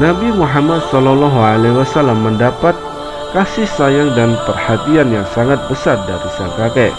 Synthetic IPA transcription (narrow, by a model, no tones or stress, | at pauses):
nabimuɦamat̪̚sɔlɔlɔɦualewasalamːəndapat̪̚ | kasɪhsajaŋdanpərhat̪ianjaŋsaŋat̪̚bəsarda̰ɾisaŋkakɛ